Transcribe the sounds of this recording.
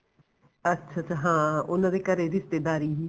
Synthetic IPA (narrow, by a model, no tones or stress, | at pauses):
ətːʃʰaːt͡ʃaɦãːʊnãːd̪eːkəɾeːɾɪst̪eːd̪aːɾiːɦiː